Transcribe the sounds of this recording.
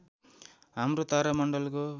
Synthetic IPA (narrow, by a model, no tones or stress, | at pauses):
amɾot̪aɾamʌɳɖʌlko